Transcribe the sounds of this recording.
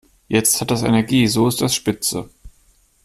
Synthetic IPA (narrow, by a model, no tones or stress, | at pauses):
jɛt͡sthat̚d̥asɛ̰nɛɐɡiːzoːɪst̚d̥asʃpɪt͡sə